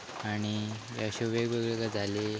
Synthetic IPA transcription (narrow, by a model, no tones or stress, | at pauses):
aɽ̃ijaɕeʋeɡʋeɡɭekad͡zʱale